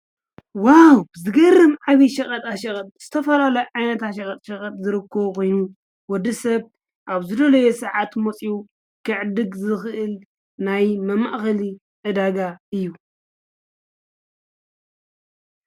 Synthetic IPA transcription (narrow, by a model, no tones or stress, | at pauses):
wawzɨɡɐrːɨmʕaβiʃɐkʼɐt̪ʼaʃɐkʼɐt̪̚ʼz̥ɨt̪ʰɐfɐlalɐjʕajnɐt̪ʰaʃɐkʼɐt̪ʼʃɐkʼɐt̪ʼzɨɾɨkʰːɐβkʰo̞jnu | wɔd̪ɐsɐβ | ʔaβzɨd̪ɐlɐjosɨʕat̪mot͡sʼiu | kʰɨʕɨd̪ɨɡzɨxɨʔɨl | najmɐma̰ʔxɐli | ʔɨd̪aɡaɨjːu